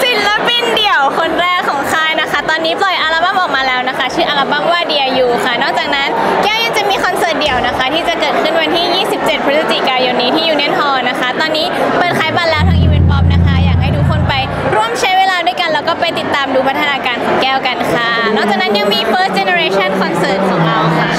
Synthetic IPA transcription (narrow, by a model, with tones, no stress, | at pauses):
si˨˦nla˦˥pi˧ndi˨˩əwkʰo˧nɾɛː˧˩kʰɔː˩˦ŋkʰaː˧˥˩jna˦˥kʰa˦˥t̪ɔː˧nːiː˦˥plɔ˨˩jʔa˧la˧˥ba˧˥mʔɔː˨˩k̚maː˧lɛː˦˥wna˦˥kʰa˦˥t͡ɕʰɯː˥˩ʔaː˧la˧ba˥˩mwaː˥˩di˧ɐjuː˨˩kʰa˧˥˩nɔː˥˩k̚t͡ɕaː˨˩k̚na˦˥nkɛː˥˩wja˧ŋt͡ɕa˨˩miː˧kʰɔ˧nsɤː˧˥˩t̪̚di˨˩əwna˦˥kʰa˦˥t̪ʰiː˥˩t͡ɕa˨˩kɤː˨˩t̪̚kʰɯ˥˩nwa˧nt̪ʰiː˥˩jiː˥˩si˨˩p̚t͡ɕe˨˩pʰɾi˦˥sa˧t͡ɕi˨˩kaː˧jo˧nːiː˦t̪ʰiː˥˩juː˨˩nɛ˦˥˩nɦɔː˧˩na˦˥kʰa˦˥t̪ɔː˧nːiː˦˥pɤː˨˩t̪̚kʰaː˩˦jbaː˧t̪lɛː˦˥wt̪ʰaː˧ʔi˧we˧npɔ˦˥p̚na˦˥kʰa˦˥jaː˨˩k̚ɦa˥˩jduː˧˥kʰo˧˥npa˧j | ɾu˥˩əmt͡ɕʰa˦˥jweː˧laː˧du˥˩əjka˧nlɛː˦˥wkɔː˥˩pa˧jt̪i˨˩t̪ːaː˧mduː˧pʰa˦˥t̪ʰa˧naː˧kaː˧nkʰɔː˩˦ŋkɛː˥˩wka˧nkʰa˥˩nɔː˥˩k̚t͡ɕaː˨˩k̚na˦˥nja˧ŋmiː˧pʰɤː˦˥st̪̚t͡ɕe˧ne˧ɾeː˧˥t͡ɕʰa˥˩nkʰɔ˧nsɤː˦˥t̪̚kʰɔː˩˦ŋɾa˧wkʰa˥˩